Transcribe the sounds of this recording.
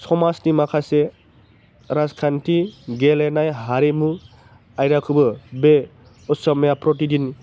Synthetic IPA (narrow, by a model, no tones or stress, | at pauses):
sɔmasnimakʰase | ɾaskʰantiɡelenajɦaɾemu | ajɾakʰubɯbe | ɔsɔmjapɾɔtidin